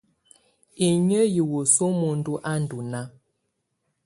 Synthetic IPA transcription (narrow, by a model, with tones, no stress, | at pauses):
e˨ɲə˦ji˨wo˨so˦mo˨n̩˦du˦ʔa˦n̩˨du˨na˦